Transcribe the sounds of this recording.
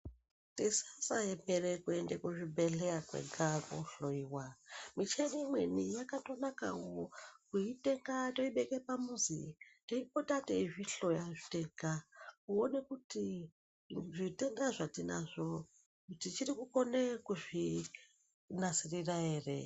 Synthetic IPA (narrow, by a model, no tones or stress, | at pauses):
tesasaemeɾekuendekuʐibʱe̞ɬeakwḛɡʱakoɬoiwamit͡ʃemimwe̞nijakato̞nakawokuiteŋɡatoiɓekepamuzḭtoipotateiʐiɬo̞jaʐite̞ɡʱakuonekuti | ʐiteŋdaʐatina̰ʐo | kutit͡ʃirikuko̞nekuʐi | nasirirae̞ːre